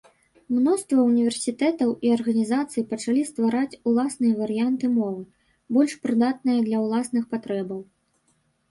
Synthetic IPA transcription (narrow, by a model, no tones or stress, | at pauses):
mnɔst̪vɐunʲivʲɛrsʲit̪ɛt̪ɐwiɐrɣɐnʲizat̪sɨjpɐt͡ʂalʲist̪vaɾat͡sʲulˠasnɨjɐvɐɾɨjant̪ɨmɔvɨ | bɔlʲʂpɾɨd̪at̪̚nɨjɐd̪lʲɐwlˠasnɨxpat̪ɾɛbɐw